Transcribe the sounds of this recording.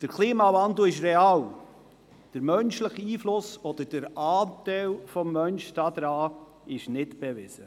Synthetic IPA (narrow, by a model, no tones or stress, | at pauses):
d̥əɾkʰliːmɑvɑnd̪l̩ɪʃ̬ɾeɑːl | d̥əɾmœnʃləχiːflʊsɔd̥̪əɾd̥əɾɑːtæɪlfɔmːœnʃd̥ɑd̪ɾɑː | ɪʃnɪtb̥ɛvɪzə